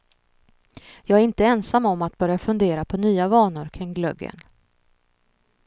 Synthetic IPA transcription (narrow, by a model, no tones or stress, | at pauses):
jɑːɡæɾɪnt̪əɛnsamːɔmːat̪̚bœɾjafɵnd̪eːɾapʰɔnyːavɑːnʊɾkʰɾɪŋɡlœ̰ɡːə̰n